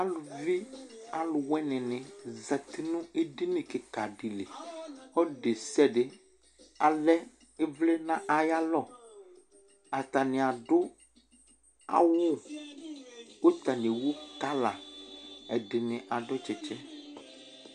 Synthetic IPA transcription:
a˦lu˨vi˦a˨lʊ˨wɛ˦nɛ̃˨nɛ̃˨za˨t̪i˦nũ˦e˦ɖe˦nẽ˨ke˨ka˨ɖi˨le˨xɔ˦ɖe˨sɛ˦ɖe˨ | a˨lɛ˦ | e˦vlɛ˦nã˦ʔa˨ja˦lɔ˦˨ | a˨t̪a˨nẽ˨a˨ɖo˦ | a̰˦wo˦ | wo˦t̪a˨nẽ˨wo˦ka˦la˨ | ɛ˨ɖe˨nɛ̃˨ʔa˨ɖɔ˦t͡ʃɛ˨t͡ʃɛ˦

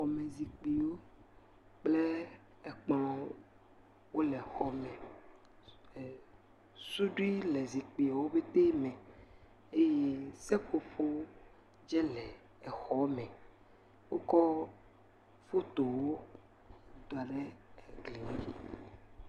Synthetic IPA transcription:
xɔ˨mẽ˨zi˨k͡pi˨wo˦ | k͡plɛ˦ | ɛ˨k͡pã˦o˦ | wo˦lɛ˨xɔ˨mɛ̃˨ | su˦ɖu˦i˦le˨zi˨k͡pi˨a˨wo˦be˦t̪e˦mɛ̃˨ | e˦je˦sɛ˦ɸo˨ɸo˦ | d͡ʒɛ˦lɛ˨ | ɛ˨xɔ˦mɛ̃˨ | wo˦kɔ˦ | fo˦t̪o˨wo˦ | d̪o˨a˨ɖe˦ɛ˨ɡli˨we˨

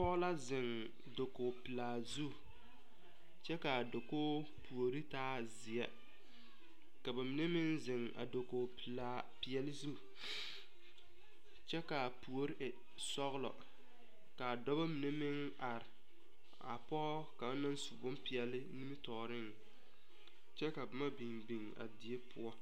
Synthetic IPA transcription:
pɔː˦la˦zɪ˨ŋ | do˨koː˨pɪ˨laː˨zu˦ | t͡ʃɛ˦ka˨do˨koː˦ | pu˨o˨ɾi˦taː˦ | zɪ˨ɛ˦ | ka˨ba˨mɪ˨ne˦mɪ˦nzɪ˨ŋa̰˨do˨koː˨pla˨ | pi˨ɛ˨lɪ˦zu˦ | t͡ʃɛ˦ka˨pu˨o˨ɾi˦ʔ | sɔ˦ɣlɔ̰˨ | ka˨dɔ˦ba˦mɪ˨ne˦mɪ˦ŋ | a˨ɾɪ˨ | a˨pɔ˦ka˨ba˦na˦n˦su˨bʊ˦mpɪ˨ɛ˨lɪ˦ni˦mi˦tɔː˨ɾɪ˦ŋ | t͡ʃɛ˦ka˨ba˨ma˦bi˨nbi˨ŋa̰˨dɪ˨e˦pʊ˦ɔ˦

